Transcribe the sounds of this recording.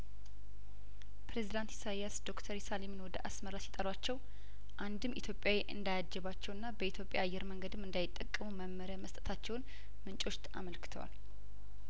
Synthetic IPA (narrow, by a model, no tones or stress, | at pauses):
pɾe̞zid̪ant̪jɪsajasd̪o̞kt̪ʰəɾjsalimnwɔd̪əʔasməɾasjɛt̪ʼəɾwat͡ʃːɛw | ʔand̪ɨmʔit̪ʰjo̞pʼjaweʔɨ̰nd̪ajad͡ʒːɛβat͡ʃːɛwɨnːabəit̪ʰjo̞pʼːja̰ːjːɛɾməŋɡəd̪ɨmɨnd̪ajɪt̪ʼːəkʼːəmuməmːəɾjaməst̪ʼə̥t̪ʰat͡ʃːɛwʊn | mɨnt͡ʃʼo̞ʃt̪a̰məlkʰɨ̥t̪ʰəwa̰l